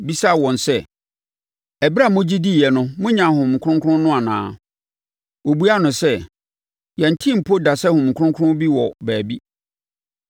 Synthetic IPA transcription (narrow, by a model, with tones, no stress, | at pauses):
bi˦sa˦˨wɔ̃˨nsɛ˦ | ɛ˨ba˦˨mʊ̃˦d͡ʑi˦di˦˨jɛ˨nʊ̃˦mʊ̃˦ɲã˨ɦʊ̃˨mŋ̩˨kʰʊ̃˦ŋ˦kʰʊ˦ʊ̃˦nʊ̃˦a˨nã̰ː˦ | wo˨bu˦a˦nʊ̃˨sɛ˦ | jɛ̃˨n̩˨tʰĩ˦m̩˨pʰo˦da˨sɛ˦hʊ̃˨m̩˨kʰʊ̃˦ŋ˦kʰʊ˦ʊ̃˦bi˦wɔ˨bæː˨bi˦